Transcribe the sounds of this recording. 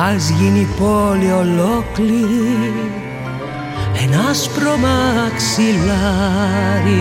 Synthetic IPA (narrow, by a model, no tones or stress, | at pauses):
azɣinipoliolokli | ɛnaspɾomaksila | ɾi